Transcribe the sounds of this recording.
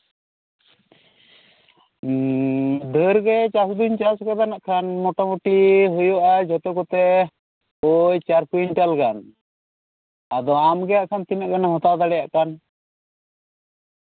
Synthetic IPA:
d̪ʱəɾɡɛt͡ʃasd̪uɲt͡ʃaskad̪anaʔkʰanmɔʈɔmuʈiɦujɔʔad͡ʒɔt̪ɔkɔt̪ɛ | ɔjt͡ʃaɾkuinʈalkan | ad̪ɔamɡɛjaʔkʰant̪inaʔɡanaɦɔt̪awd̪aɽɛja̰ʔkan

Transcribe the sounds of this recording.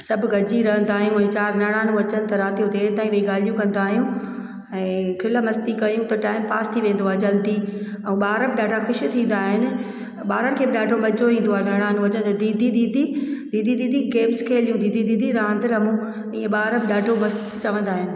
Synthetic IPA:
sɐbʱʊɡɐd͡ʑiɾɐɦə̃nd̪aːɦijũɛ̃ːt͡ɕaːɾnɐɽ̃aːnũɐt͡ɕənɪ̆t̪ɐɾaːt̪ijõt̪ʰeːɾt̪aːĩʋɐiɠaːl̤ijũkɐ̃n̆d̪aːɦijũ | ɛ̃ːkʰɪlmɐst̪ikɐjũt̪ɐʈaːɪmpaːst̪ʰiʋẽːnd̪oaːɦed͡ʑɐld̪i | ũɓaːɾəbɪɗaːʈaxʊʃt̪ʰĩːn̆d̪aːɦɪnɪ̆ | ɓaːɾənɪ̆kʰeːbɪɗaːʈomɐd͡ʑoʋĩːnd̪oaːɦenɐɽ̃aːnũɐt͡ɕənɪt̪ɐd̪iːd̪ʱid̪iːd̪ʱid̪iːd̪ʱid̪iːd̪ʱiɡeːmskʰeːlijũd̪iːd̪ʱid̪id̪ʱiɾãːnd̪ɪɾɐmũ | iːẽɓaːɾəbɪɗaːʈʰomɐst̪t͡ɕɐʋə̃nd̪aːɦɪnɪ̆

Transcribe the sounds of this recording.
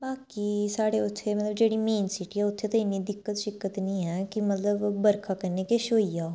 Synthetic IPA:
baːkiːsaːɽeːʊt̪ʰːemət̪ləbd͡ʒeːɽiːmẽːnsiːʈiːɛːʊt̪ʰːeːt̪aɪnːiːd̪ɪkːət̪ʃɪkːət̪nĩːɦɛːkɪmət̪ləbbəɾkʰaːkəɾneːkeʃoːijaː

